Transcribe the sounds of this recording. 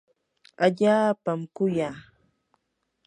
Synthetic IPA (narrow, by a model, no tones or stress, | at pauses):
aʎaːpamkʊjaː